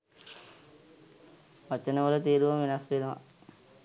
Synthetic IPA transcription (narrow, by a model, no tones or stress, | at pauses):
ʋat͡ʃənəʋələt̪iːɾuʋɐmʋinasʋenuʋa̰